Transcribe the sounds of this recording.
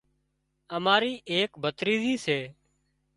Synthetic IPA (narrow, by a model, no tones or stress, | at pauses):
əmaːɾiːʔeːkbʱət̪ɾiːziːseː